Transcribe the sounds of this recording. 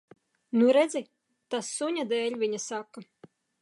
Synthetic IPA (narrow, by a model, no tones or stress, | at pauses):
nuɾɛd̪zʲi | t̪asːuɲʲad̪ɛːlʲvʲiɲɐsakːa